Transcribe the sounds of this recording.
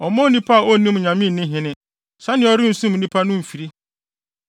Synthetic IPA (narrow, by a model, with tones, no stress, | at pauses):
ɔ˨mɔ̃˦nĩ˦pʰa˦a˨o˦˨nĩ˦m˨ɲã˨mɪ̃˦˨nɪ̃˦ɦɪ̃˨nɪ̃˦ | sa˦nɪ̃˨˦ɔ˦ɾɪ˦n̩˨sũ˦m˨nĩ˦pʰa˦nʊ̃˦m̩˨fi˨ɾi˦